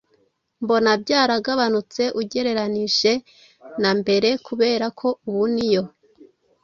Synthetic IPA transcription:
mbo̞nab̚ɟaːɾaɡaβanut͡se̞ʔuɟe̞ɾe̞ɾaniʃe̞ | nambe̞ɾe̞kuβe̞ːɾakʰo̞uβunijo̞

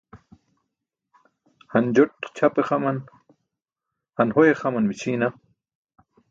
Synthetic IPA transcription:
hɐnd͡ʑoʈt͡ɕʰapeχɐmɐn | hɐnhojeχɐmɐnmit͡ɕʰiːna

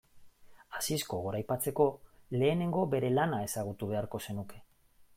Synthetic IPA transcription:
asisko̞ɣoɾajpat͡se̞ko̞le̞ːne̞ŋɡo̞βe̞ɾe̞lanae̞saɣ̞ut̪uβ̞e̞aɾko̞se̞nuke̞

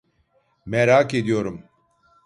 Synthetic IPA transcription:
mɛɾaːked̪ijoɾum

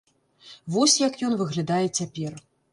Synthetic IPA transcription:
vɔsʲjɐkjɔnvɨɣlʲad̪ajɛt͡sʲapʲɛr

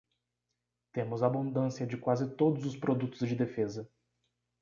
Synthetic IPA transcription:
t̪ẽmʊzabũd̪ɐ̃siɐd͡ʒɪkwazɪt̪od̪ʊzʊspɾod̪ut̪ʊzd͡ʒɪd̪efezɐ

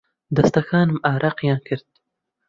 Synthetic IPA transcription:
d̪ɐst̪ɐxɑːnɨmaːɾʔaqjɑːnkʰɨɾt̪̚

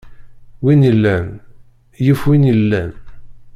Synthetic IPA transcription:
winəlːæn | jəfwinəlːæn

